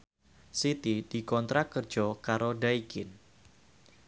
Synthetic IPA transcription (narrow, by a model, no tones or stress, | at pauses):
sit̪id̥ikɔnt̪ɾakərd͡ʒɔkaɾodaikɪn